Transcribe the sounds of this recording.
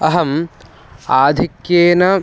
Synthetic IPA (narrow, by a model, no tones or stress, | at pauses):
ɐɦɐm | aːd̪ʱikjeːnɐ